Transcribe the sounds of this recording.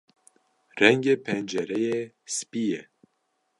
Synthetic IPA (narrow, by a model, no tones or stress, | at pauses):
rɛŋɡeːpʰɛnd͡ʒɛɾɛje | spijɛ